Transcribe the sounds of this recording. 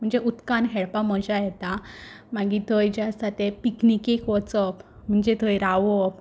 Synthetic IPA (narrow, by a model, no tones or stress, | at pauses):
m̤əɳd͡zeʔut̪kanɦeɭpaməd͡ʑajɛt̪amaɡit̪ʰəjd͡ʑast̪at̪epiknikekʋɔt͡səpm̤əɳd͡ʑet̪ʰəjɾaʋəp